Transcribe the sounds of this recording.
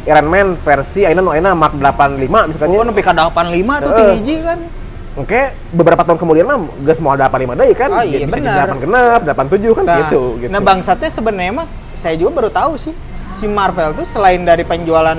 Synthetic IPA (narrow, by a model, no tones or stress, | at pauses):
iɾanmɛnfɛrsiainanoainamak̚dəlapanlimamisakaɲnapikadəlapanlimat̪əʔəiid͡ʒikan | ŋka | bəbəɾapat̪aɦunkəmudianlah | ɡasmoaldəlapanlimadaikand͡ʒadibianiəaɾapanɡənap̚dəlapant̪ud͡ʒʊhkanɡit̪uɡit̪nabaŋsat̪̚ɲasəbənəɲamak̚ | sajad͡ʒuɡabaɾut̪ausɪh | simarvɛlt̪usəlaɪndaɾipəɲd͡ʒualan